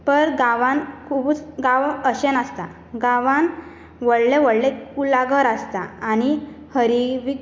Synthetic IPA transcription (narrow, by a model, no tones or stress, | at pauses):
pəɾɡaʋãnkʰubut͡sɡaʋəɕenast̪a | ɡaʋan | ʋəɽleʋəɽleulaɡəɾast̪aañi | həɾiʋik